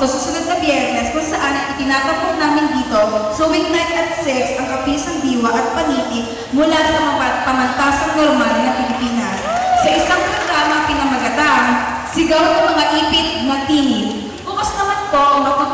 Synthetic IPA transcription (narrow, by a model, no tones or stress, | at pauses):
osɐsʊnɐd̪̚nɐbjɛɾnɛskʊŋsɐʔanɐŋʔɪt̪ɪnaːt̪ɐpːɐt̪̚naːmɪnd̪iːt̪o̞sowɪnnajt̪ɐt̪̚sɛɾsʔɐŋʔɐpiːsɐŋd̪iːwɐʔɐt̪̚pɐniːt̪ɪ | mʊlasɐmɐŋapɐŋɐnt̪aːsɐŋnoɾmalnɐpɪlɪpiːnɐssɐʔɪsaŋpɾoɡɾaːmɐpɪnɐmɐɡɐt̪aŋ | sɪɡawnɐŋmɐŋaʔiːpɪt̪̚mɐɡ̚t̪iːnɪn | kʊmʊst̪ɐmanpo̞ʔɐŋmɐpɐ